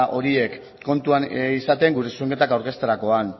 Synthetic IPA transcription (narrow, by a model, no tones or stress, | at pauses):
ʔo̞ɾie̞kː | o̞nt̪uanisat̪e̞ŋɡuɾe̞sueŋɡke̞t̪akawɾke̞st̪eɾako̞an